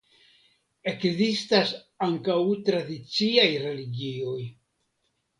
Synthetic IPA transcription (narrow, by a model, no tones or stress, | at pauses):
e̞kzistas | aŋkawt̪ɾad̪it͡siajɾe̞liɡio̞j